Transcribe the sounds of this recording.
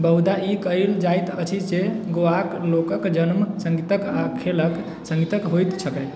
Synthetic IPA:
bəɦud̪aikəild͡ʒajt̪ət͡ʃʰiseɡoaklokəkd͡ʒənmsəŋɡit̪əkakʰelək | sə̃ŋɡit̪əkɦojt̪sʰəkəj

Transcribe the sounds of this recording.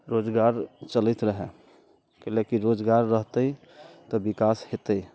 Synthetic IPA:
ɾod͡ʒɡaɾt͡ʃəlit̪ɾəɦɛ | kelekiɾod͡ʒɡaɾːəɦt̪əj | t̪ɔbikashet̪əi

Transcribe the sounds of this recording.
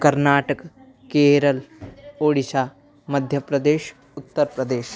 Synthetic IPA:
kɐɾnaːʈək | keːɾəloːɽisaː | mɐd̪ʱjəpɾɐd̪eːʃ | ʊt̪ːəɾpɾɐd̪eːʃ

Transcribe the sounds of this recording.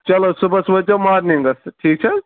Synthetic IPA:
t͡ʃɐlosubɐsbɐd͡ʒɐmaːɾniŋɡɐsʈʰiːk̚t͡ʃʰɐ

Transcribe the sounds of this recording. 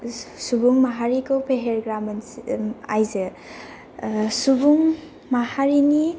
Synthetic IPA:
subuŋmaɦaɾikowpʰeɦeɾɡɾamɐnajzɯ | subuŋ | mahaɾini

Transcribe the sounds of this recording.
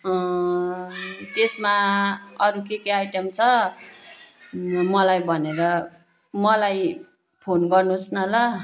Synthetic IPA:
t̪esmaʌɾukekeajʈʌmt͡sʰʌ | mʌlajbʱʌneɾʌ | mʌlaj | pʰonɡʌrnusnʌlʌ

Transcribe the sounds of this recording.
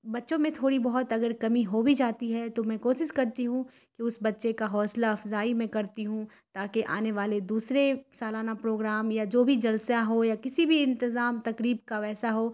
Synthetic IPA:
bɐtːʃõmẽt̪ʰoːɽibɐɦʊt̪ɐɡəɾkɐmiɦobʱid͡ʒaːt̪iɦɛt̪omɛ̃koːʃɪʃkɐɾt̪iɦũ | keʊsbɐtːʃekaɦɔːslaɐfzaːimɛ̃kɐɾt̪iɦũ | t̪aːkeʔa̰ːneʋaːled̪uːsɾesaːlaːnapɾoːɡɾaːmjad͡ʒoːbʱid͡ʒɐlsjaɦojakɪsibʱiɪ̃nt̪ɪzaːmt̪ɐkɾiːbkaʋɛːsaɦoː

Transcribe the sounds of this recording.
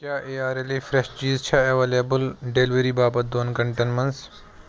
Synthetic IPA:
kjaːʔeːaːɾeliːfɾeʃt͡ʃiːzt͡ʃʰɐɐʋeːlebəlɖeːlʋeɾiːbaːbɐt̪̚d̪oːnkɐɳʈenmɐns

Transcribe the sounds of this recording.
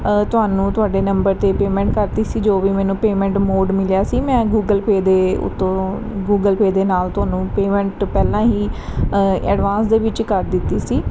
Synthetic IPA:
t̪ʊaːnũːt̪ʊaːɖeːnəmbəɾt̪eːpeːmɛ̃ːɳʈkəɾt̪iːsiːd͡ʒoːʋiːmɛːnũːpeːmɛ̃ːɳʈmoːɖmɪljaːsiːmɛ̃ːɡuːɡəlpeːd̪eːʊ̰t̪ʰːõː | ɡuːɡəlpeːd̪eːnaːlt̪ʊɦaːnũːpeːmɛ̃ːɳʈpɛːlãːɦiː | ɛ̰ːɖʋãːnsd̪eːʋɪt͡ʃkəɾd̪ɪt̪ːiːsiː

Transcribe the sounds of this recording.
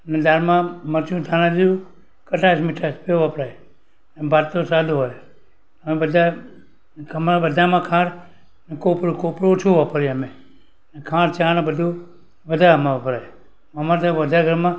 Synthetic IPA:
ned̪aɾmãməɾt͡ʃũt̪ʰanãd̪ijũ | kəʈaismiʈʰaspeʋapɾaj | nebaɾt̪osad̪ʱuɦoj | əmebəd̪ʱa | əmabəd̪ʱamãkʰãːɽ | nekopɾokopɾot͡ʃʰũʋapəɾeəmẽ | nekʰãːɽt͡ʃʰãːnebəd̪ʱũ | bəd̪ʱamãʋapəɾaj | əmaɾt̪aʋəd̪ʱaɡʱəɾmã

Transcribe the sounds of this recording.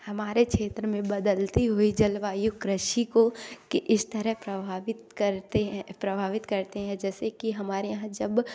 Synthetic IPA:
hɐmaːɾekʃeːt̪ɾəmẽbɐd̪əlt̪iɦoid͡ʒɐlʋaːjʊkɾəʃikokeʔɪst̪ɐɾəɦpɾɐbʱaːʋɪt̪kɐɾt̪eɦɛpɾɐbʱaːʋɪt̪kɐɾt̪eɦɛ̃d͡ʒɛːsekiɦɐmaːɾejɐɦãd͡ʒɐb

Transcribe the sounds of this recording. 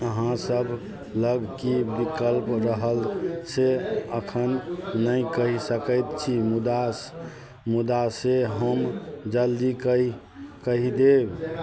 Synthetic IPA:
əɦãsəbʱ | ləɡkibikəlpɾəɦəlseəkʰənːəjkəɦisəkəjt̪t͡ʃʰimud̪as | mud̪aseɦəmd͡ʒəld̪ikə | kəɦid̪eb

